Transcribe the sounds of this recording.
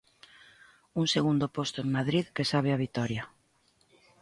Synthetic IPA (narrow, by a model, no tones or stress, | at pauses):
uŋseɣund̪opost̪oeŋmaðɾiðkesaβ̞eaβ̞it̪ɔɾja